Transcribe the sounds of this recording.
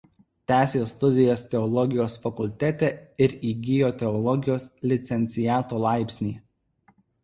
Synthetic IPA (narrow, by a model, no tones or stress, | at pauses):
t̪ʲæːsʲeːst̪ʊd̪ʲɪjɛst̪ʲɛɔlˠɔɡʲɪjoːsfɐkʊlʲt̪ʲæt̪ʲɛɪɾiːɡʲɪjoːt̪ʲɛɔlˠɔɡʲɪjoːslʲɪt̪sʲɛnʲt̪sʲɪjæːt̪oːlˠɑˑɪpʲsʲnʲiː